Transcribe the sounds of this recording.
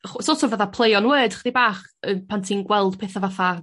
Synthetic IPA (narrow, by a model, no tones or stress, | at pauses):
χsosɔvəðapʰlˠejɔnwəːd̥χdibaːχənpʰantʰinɡwɛlˠd̥pʰeːθavaθa